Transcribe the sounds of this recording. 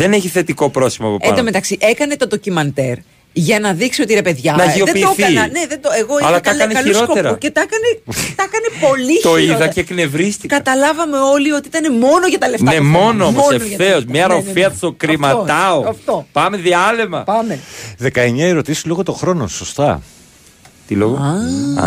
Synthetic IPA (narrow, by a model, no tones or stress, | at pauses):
ðeneçiθe̞t̪iko̞pɾo̞sθimɐpoed̪ɐmet̪ɐksiʔe̞kɐne̞t̪od̪o̞cimɐnt̪e̞ɾ | ʝɐnɐðiksio̞t̪iɾepe̞ðʝɐnɐʝioðepid̪oθɐinɐne̞ðe̞nd̪oeɣo̞ɐlɐt̪ɐɐneɐliɾsokoeɾɐucet̪ɐkɐnet̪ɐkɐnepo̞lit̪oiðɐekne̞vɾist̪ikɐɐt̪ɐlɐvɐme̞o̞lio̞t̪iit̪ɐne̞mo̞no̞ʝɐt̪ɐleftnɐnemo̞noomosenfoɐθeozmɲɐɾofiɐtsokɾimɐɐoɐft̪opɐme̞ðiɐlemɐ̰pɐmeðe̞kɐe̞ɲɐeɾo̞t̪isi̥zlo̞ɣot̪õ̞xɾo̞no̰so̞st̪ɐ̰ | t̪iloɣɐ